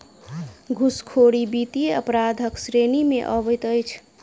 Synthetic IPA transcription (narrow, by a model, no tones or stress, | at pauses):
ɡʱuskʰoɽibit̪ieəpɾad̪ʱəksɾenimḛʔəβəjt̪əjt͡ʃʰ